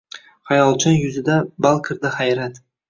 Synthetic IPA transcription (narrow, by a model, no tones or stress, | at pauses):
χajɒlˠt͡ʃʰɒnjʊzɪd̪abalˠkʲʰɪɾd̪aχajɾat̪